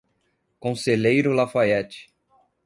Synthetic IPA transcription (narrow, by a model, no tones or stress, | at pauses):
kõseʎejɾʊlafaɛt͡ʃɪ̥